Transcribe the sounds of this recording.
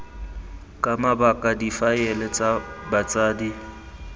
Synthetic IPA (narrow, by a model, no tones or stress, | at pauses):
kʼamabakʼadifajɛlɛt͡sʼabat͡sʼaːdi